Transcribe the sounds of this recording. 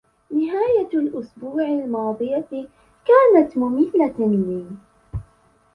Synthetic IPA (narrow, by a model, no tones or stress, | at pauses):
nɪɦaːjalʔʊsbuːʕalmɑːd̪ˤɨja | kaːnat̪mʊmɪθːamliː